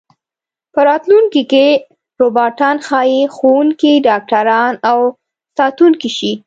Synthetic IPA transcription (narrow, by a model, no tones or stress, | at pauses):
pəɾɑt̪luŋkike | ɾobɑʈɑnxɑjixowuŋkiɖɑk̚ʈaɾɑnaw | sɑt̪uŋkiʃi